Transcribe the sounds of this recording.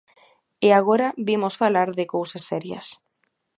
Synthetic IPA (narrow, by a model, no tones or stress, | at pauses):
ɪaɣ̞oɾaβimosfalaɾðɪkowsasːɛɾjɐ̰s